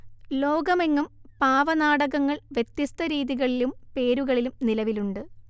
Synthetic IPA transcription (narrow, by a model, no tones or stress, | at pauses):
lo̞ːɡɐmeŋːumpaːʋɐnaːɽɐɣɐŋːɐɭʋjet̪jist̪ɐɾiːðiɣɐɭilumpe̞ːɾuɣɐɭilumnilɐʋiluɳɖɨ